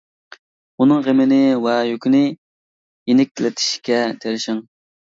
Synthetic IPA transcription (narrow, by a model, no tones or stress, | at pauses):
unɨŋʁemɪnɪwɛjøkʲinɪ | jenɪk̚ʲt̪ʰɪlɪt̪ʰɪ̥ʃkʲɛt̪ʰeɾɪʃɪŋ